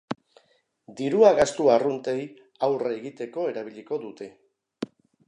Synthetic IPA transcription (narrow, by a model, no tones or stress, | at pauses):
d̪iɾuaɣast̪uarunt̪e̞j | awreeɣit̪e̞ko̞e̞ɾaβ̞iʎiko̞ðut̪e̞